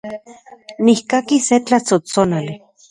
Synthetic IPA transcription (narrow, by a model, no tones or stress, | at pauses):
nihkakiset͡ɬat͡sot͡sonali